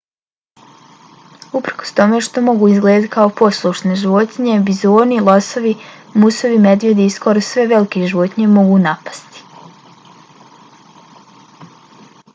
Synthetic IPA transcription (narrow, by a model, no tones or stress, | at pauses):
upɾkost̪o̞meʃt̪o̞mo̞ɡuːizɡled̪at̪i̥kʰaopo̞slˠuʃneʒiʋo̞t̪iɲe̞bizoːnilˠoso̞ʋimuso̞ʋime̞d̪ʋjed̪iiskoɾosʋe̞ʋe̞like̞ʒiʋo̞t̪iɲe̞mo̞ɡuːnapḁst̪i̥